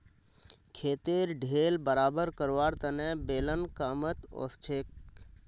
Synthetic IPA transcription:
kʰeːt̪eːɾɖʱeːlbəɾaːbəɾkəɾʋaːɾt̪ɐnɛ̃beːlənkaːmət̪o̰ːst͡ʃʰeːk

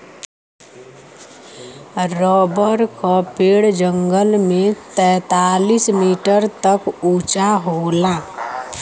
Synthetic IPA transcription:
ɾɔːbəɾkapeːɽd͡ʒəŋɡəlmẽt̪ɛ̃ːt̪aːlismiːʈəɾt̪əkuːt͡ʃaɦoːlaː

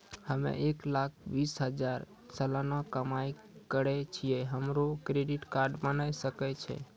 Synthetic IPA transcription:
həmḛeklak̚ʰbisɦəd͡ʒaɾ | səlanakəmaj | kəɾɛt͡ʃʰijɛɦəmɾokɾeɖiʈkaɾɖmənajsəkɛt͡ʃʰɛ̰

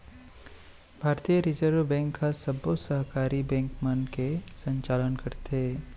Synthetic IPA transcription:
bʱaːɾt̪ijəɾɪzəɾʋbɛ̃ːŋkɦasɐbosəɦkaːɾibɛ̃ːŋkmənkesə̃ɲt͡ʃaːlənkɐɾt̪eː

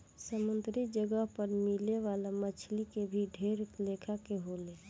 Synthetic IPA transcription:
səmənt̪ɾid͡ʒəɡəɦpəɾmileʋaːlamət͡ʃʰlikebʱiɖʱeːɾlekʰakeɦole

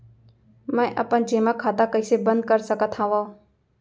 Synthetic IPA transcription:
mɛ̃ːʔəpənd͡ʒeːmaːkʰaːt̪aːkəɪseːbənd̪̚kəɾsəkət̪ʰãːʋã

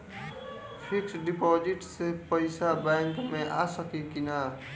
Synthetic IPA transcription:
pʰiksɖipɔd͡ʒiʈsepəɪsabɛŋkmeʔasəkikina

